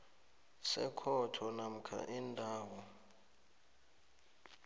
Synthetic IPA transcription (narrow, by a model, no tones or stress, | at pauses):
sɛkʰɔtʰɔnam̩kʰa̰ʔindʱaːwɔ